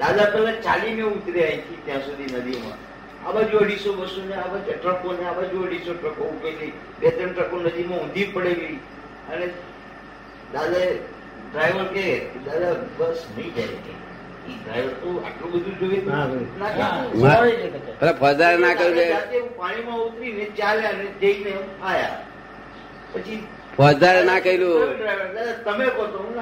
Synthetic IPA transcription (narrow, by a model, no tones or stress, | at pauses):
d̪ad̪apɛlãt͡ʃalimẽut̪ɾeait̪ʰit̪jãsud̪ʱinəd̪imã̰ | a̰bad͡ʒuəɽisobəsuneabad͡ʒʈɾəkoneabad͡ʒuəɽisoʈəkoupeli | bet̪ɾəɳʈəkonəd̪imãũnd̪ʱipəɽeli | əne | d̪ad̪ae | ɖɾajʋəɾked̪ad̪abəstʰəid͡ʒat͡ʃi | iɖɾa̰jʋəɾt̪oa̰ʈlũbəd̪ʱũd͡ʒoʋeanakãmaed͡ʒenakpəlapʰəd̪aɾenakəieat̪epaɽ̃imãut̪ɾinet͡ʃaljaned͡ʒ̪eineaja̰ | pət͡ʃi | pʰɔd̪aɾenakəiluɖɾajʋəɾd̪ad̪at̪əmekɔt̪ona